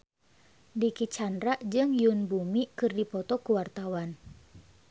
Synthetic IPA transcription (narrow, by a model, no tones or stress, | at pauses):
dikit͡ʃandɾaʔd͡ʒɨŋjunbumikɨrdipɔt̪ɔkuwart̪awan